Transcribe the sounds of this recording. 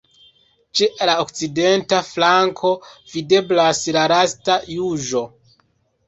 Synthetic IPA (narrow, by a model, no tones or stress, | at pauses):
t͡ʃelaok̚t͡side̞ntaflaŋkʰo̞vide̞blaslaɾastajuʒo̞